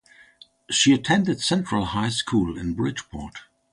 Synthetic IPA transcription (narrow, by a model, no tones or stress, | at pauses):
ʃiɨtʰɛ̃ndɨdsɛ̃ntɹ̥əl̩ˠhaɪskʰulˠɪ̰̃nbɹɪ̥d͡ʒpʰɔ̰ɹt